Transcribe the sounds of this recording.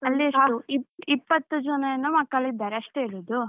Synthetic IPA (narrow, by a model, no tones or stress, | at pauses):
ɐlːiɐʂuiipːɐt̪ːud͡ʒɐnɐjɐnːumɐkːɐlid̪ːaːɾeɐʂʈeeɭuːd̪u